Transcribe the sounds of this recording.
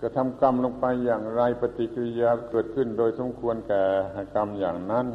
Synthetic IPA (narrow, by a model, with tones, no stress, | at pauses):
ka˧˩t̪ʰa˧mka˧˥˨mlo˧ŋpa˧jːaː˨˩ŋɾa˧jpa˧t̪i˧˦ka˧li˧jaː˧kɤː˨˩t̪̚kʰɯ˧˩˨ndoː˧˨jso˧˦mkʰu˧ənkɛː˧˩ha˧˩ka˧mjaː˨˩ŋna˧˥˨n